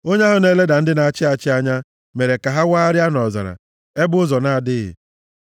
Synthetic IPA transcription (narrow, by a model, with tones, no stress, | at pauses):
o˦ɲe˦ɦʊ˦ne˦le˦da˨n̩˦dɪ˦na˨t͡ʃɪ˦a˨t͡ʃɪ˦a˦ɲa˦ | me˨ɾe˨ka˨ɦa˦waː˦ɾɪ˦a˦nɔ˨za̰˨ɾa̰˨ | e˦bʊ˦ʊ˦zɔ˨na˦˨dɪ˦ɣɪ̰˨